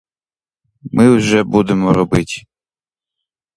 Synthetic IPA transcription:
mɪwʒɛbud̪emɔɾɔbɪtʲ

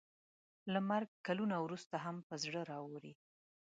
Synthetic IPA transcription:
lamaɾɡ̚kalunawɾust̪aɦampəzɽəɾɑwoɾi

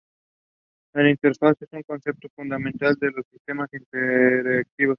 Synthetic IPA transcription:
elint̪eɾfasjesuŋkonsep̚t̪ofund̪amẽnt̪ald̪elosːist̪e̞masint̪eɾek̚t̪iβos

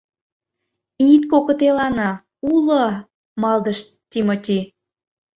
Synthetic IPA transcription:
it̪kokə̆t̪elɑnɑ | ulə | mɑld̪əʃt̪ʲimot̪ʲi

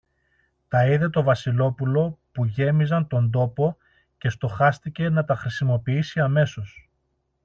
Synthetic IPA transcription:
t̪ɐiðe̞t̪o̞vɐsilo̞pulo̞puʝe̞mizɐnt̪o̞nd̪o̞po̞ | ce̞st̪o̞xɐst̪ice̞nɐt̪ɐxɾisimo̞piisiɐme̞so̞s

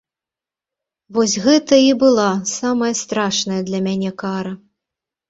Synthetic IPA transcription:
vɔsʲɣɛt̪ɐibɨlˠasamɐjɐst̪ɾaʂnɐjɐd̪lʲɐmʲanʲɛkaɾɐ

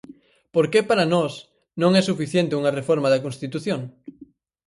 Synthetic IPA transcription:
poɾkepaɾanɔs | nõŋɛsufiθjent̪euŋɐrefoɾmaðɐkõnst̪it̪uθjõŋ

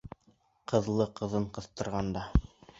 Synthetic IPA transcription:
qʰɤ̆ðlˠɤqɤ̆ðɤɴqɤ̆θt̪ɤ̆ɾʁɑnd̪ɑ

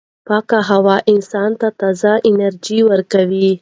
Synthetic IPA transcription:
pɑkaɦawɑʔɪnsɑnt̪at̪ɑzaʔɪnaɾd͡ʒiwəɾkawi

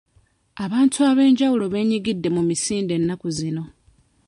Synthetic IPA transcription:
aβaːntʰuaβe̞ːɲɟawulo̞βe̞ːɲiɡidːe̞mumisiːnde̞nːakuzino̞

